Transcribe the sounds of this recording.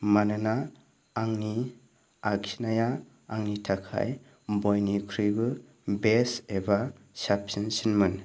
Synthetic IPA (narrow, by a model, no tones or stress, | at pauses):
manɯnaː | ŋni | aksi̥naja | aŋnitʰakʰa̰j | bojnikʰɾɯjbɯ | beseba | sapsinsinmɯn